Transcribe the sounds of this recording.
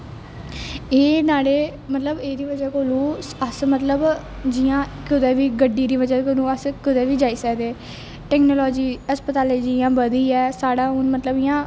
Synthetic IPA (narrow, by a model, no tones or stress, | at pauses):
eːnaːɽeː | mət̪ləbeːɾiːʋəd͡ʒɛːkoːlũːəsmət̪ləb | d͡ʒɪjãːkʰʊd̪ɛːʋiːɡəɖːiːɾiːʋəd͡ʒɛːkoːlũːəskʊd̪ɛːʋiːd͡ʒaːiːsəkd̪eː | ʈɛːknoːlɔːd͡ʒiːəspət̪aːleːd͡ʒijãːbəd̪iːɛːsaːɽaːʊnmət̪ləbɪjãː